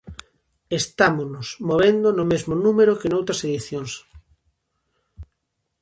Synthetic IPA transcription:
est̪amonosmoβẽnd̪onʊmezmonũmeɾokenowt̪ɾaseðiθjõŋs

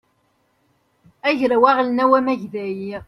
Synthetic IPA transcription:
æʝɾawæʁlnæwæmæʝðæji

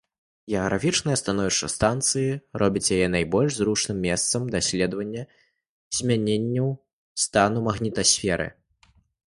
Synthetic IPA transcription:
ɣʲɛɐɣɾafʲit͡ʂnɨjɐst̪anɔvʲiʂt͡ʂɐ̰st̪ant̪sɨjiɾʔɔbʲɐt͡sʲjajɛnajbɔlʲʂzɾuʂnɨmːʲɛst̪sɐmd̪asʲlʲɛd̪vɐnʲːɐ | z̥ʲmʲanʲenʲːɐw | st̪anumɐɣnʲit̪ɐsʲfʲɛɾɨ̰

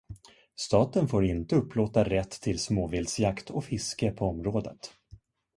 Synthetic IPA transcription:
st̪ɑːt̪ənfoːɾɪnt̪əɵpːloːt̪aɾɛt̪ʰːɪlsmoːvɪld̪sjakt̪ʰɔfɪskəpʰɔɔmɾoːd̪ə̰t̪

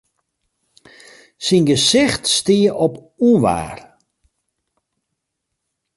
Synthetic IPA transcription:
sinɡəsɪxtstiəʔɔp | uʋa̰ːr

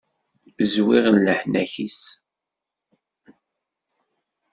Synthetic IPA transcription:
zwiʁənləħnæçis

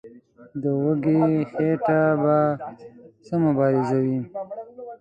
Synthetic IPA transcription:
d̪əwəɡexeʈaba | səmʊbɑːɾɪzawi

